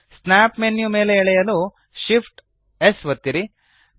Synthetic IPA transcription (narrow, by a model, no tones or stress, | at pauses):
snaːpmenjume̞ːleiɭɛjɐlu | ʃipʰʈ | esʋɐt̪ːiɾi